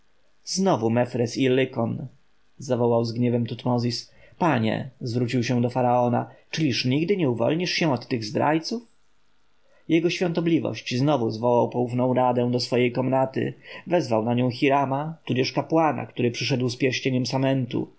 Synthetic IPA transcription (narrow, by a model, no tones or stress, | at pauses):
znɔvumɛfɾɛsilːɘkɔn | zavɔwawzɡɲɛvɛmt̪ut̪mɔzʲispaɲɛ̰zvɾut͡ɕiwɕɛ̃d̪ɔfaɾaɔna̰t͡ʂɘlʲiʂɲiɡd̪ɘɲɛuvɔ̰lɲiʂɕɛ̃ɔt̪ːɘɣzd̪ɾa̰jt̪suf | jɛɡɔɕfʲjɔ̃nt̪ɔblʲivɔ̰ɕt͡ɕznɔvuzvɔwawpɔufnɔ̃w̃ɾad̪ɛ̃w̃d̪ɔsfɔjejkɔmnat̪ɘ̰vɛzvawnaɲɔ̃w̃xʲiɾamat̪ud͡ʑɛʂkapwana̰kt̪uɾɘpʂɘʂɛd̪wspʲjɛɾɕt͡ɕeɲɛmsamɛnt̪ṵ